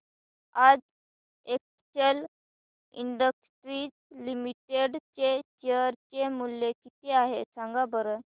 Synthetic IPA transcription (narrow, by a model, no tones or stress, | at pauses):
ad͡z | ek̚ | t͡ɕəl | ḭɳɖəkʈɾiːt͡slimiʈeɖt͡ɕet͡ɕeəɾt͡ɕemulːekit̪eaɦesãŋɡabəɾə